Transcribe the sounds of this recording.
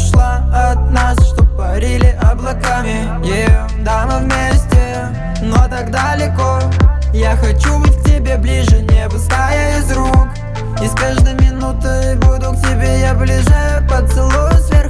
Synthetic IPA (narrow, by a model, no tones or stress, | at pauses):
ʂlˠaɐt̪̚nasʂt̪op̚pːɐɾʲilʲɪʔɐblˠɐkamʲɪ | jejomd̪amɨvmʲesʲtʲɪ | not̪aɡd̪alʲɪkojaxɐt͡ɕubɨtʲktʲɪbʲe̞blʲiʐɨnʲebɨst̪ajaɪzɾuk | iskaʐd̪ɨjmʲɪnut̪ɨbud̪ʊk̚tʲɪbʲejablʲiʐapət̪sɨlˠosvʲer